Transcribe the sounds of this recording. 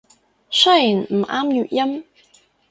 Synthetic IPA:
sɐ˥ji˨˩nm̩˨˩ʔaː˥mjyː˧˨t̚jɐ˥m

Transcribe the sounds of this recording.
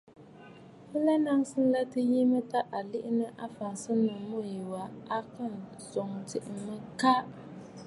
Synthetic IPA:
ɨ˦la˦na˦ŋsɨ˦n̩˦la˦tɨ˦ji˦mɨ˦ta˦ʔa˨lɪ˦ʔɪ˦nɨ˦ʔa˦fa˨n˨sɨ˦nɨ˨mo˦ji˨wa˨a˦kɨ˦˨n | so˨ŋ˨tɪ˨ʔɪ˨mɨ˦ka˦

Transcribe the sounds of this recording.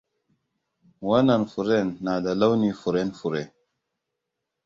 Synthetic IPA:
wa˦na˨nfu˨ɾe˦˨nːa˨da˨la˦wni˦fu˨ɾe˦nfu˨ɾe˨

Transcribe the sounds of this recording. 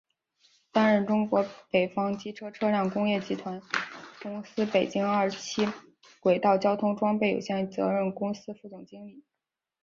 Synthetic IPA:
t̪a˥nɻə˥˩nʈ͡ʂʊ˥ŋkwɔ˧˥pe˨˩ɪfɑ˥ŋt͡ɕi˥ʈ͡ʂʰɤ˥ʈ͡ʂʰɤ˥ljɑ˥˩ŋkʊ˥ŋjɛ˥˩t͡ɕi˧˥t̪ʰwa˧˥nkʊ˥ŋsɹ̩˥pe˨˩ɪt͡ɕi˥ŋa˞˥˧˩t͡ɕʰi˥ | kwe˨˩ɪt̪ɑ˥˩ʊt͡ɕjɑ˥ʊt̪ʰʊ˥ŋʈ͡ʂwɑ˥ŋpe˥˩ɪjo̰˨˩ɕjɛ˥˩nt͡sɤ̰˧˥ɻə˥˩nkʊ˥ŋsɹ̩˥fu˥˧t͡s̪ʊ˥˩ŋt͡ɕi˥ŋli˨˩˦

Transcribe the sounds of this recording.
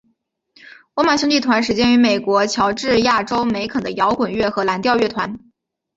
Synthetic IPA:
wɔ˧˥ma˨˩ɕʊ˥ŋt͡ɕi˥˩t̪ʰwa˧˥nʂ̬ɻ̩˧˥t͡ɕjɛ˥ny˧˥me˨˩ɪkwɔ˧˥t͡ɕʰjɑ˧˥ʊʈ͡ʂɻ̩˥˧ja˥˩ʈ͡ʂo˥ʊme˧˥ɪkʰə˨˩d̪ə˦jɑ˧˥ʊkwə˨˩nɥɛ˥˩xɤ˧˥la˧˥nt̪jɑ˥˧ʊɥɛ˥˩t̪ʰwa˧˥n

